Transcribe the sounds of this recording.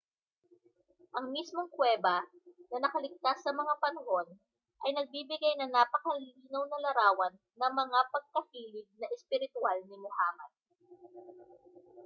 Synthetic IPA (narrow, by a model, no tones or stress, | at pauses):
ʔɐŋmismoŋkwɛːbɐ | nɐnɐkɐlɪɡ̚t̪asːɐmɐŋapɐnɐho̞n | ʔɐjnɐɡ̚bibɪɡajnɐŋnapɐkɐliːnɐwnɐlɐɾaːwɐnːɐŋmɐŋapɐɡ̚kɐhiːlɪɡ̚nɐʔɛspɪɾɪt̪ʊalnɪmʊhaːmɐn